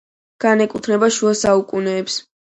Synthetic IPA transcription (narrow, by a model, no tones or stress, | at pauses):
ɡ̥anɛkʼut̪ʰnɛbaʃuasaukʼunɛːps